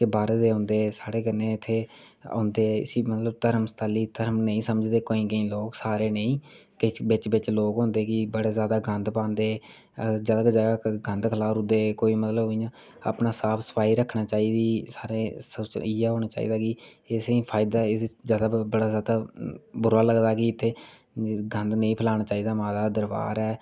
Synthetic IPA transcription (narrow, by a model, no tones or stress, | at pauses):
kebaːɾeːd̪eːɦʊ̃ːnd̪eːɛsaːɽeːkənẽːɪt̪ʰːeː | õ̰ːnd̪eːɪ̰simət̪ləbt̪əɾmst̪aːliːt̪əɾmnəĩːsəməd͡ʒd̪eːkoːĩːkəĩːloːksaːɾeːnəĩːkɪt͡ʃbɪt͡ʃbɪt͡ʃloːkɦõːnd̪eːkɪbəɽeːzjaːd̪aːɡə̃nd̪pãːnd̪eː | d͡ʒəd̪əkd͡ʒaːɡaːkɡə̃nd̪kʰəlaːfɾʊd̪eːkoːiːmət̪ləbijãː | a̰pnaːsaːpʰsə̥paːɦiːɾəkʰːnaːt͡ʃaːiːd̪iːsaːɾeːsəiɛːɦoːñaːt͡ʃa̰ːḭːd̪aːkɪɪsiːpʰaːɪd̪aːɪd͡ʒjaːd̪aːbəɽaːzjaːd̪aːbʊɾaːləɡd̪aːkɪɪt̪ʰːeː | ɡə̃nd̪nə̃ĩːpʰəlaːɽ̃aːt͡ʃaːiːd̪aːmaːd̪aːd̪əɾba̰ːɾɛː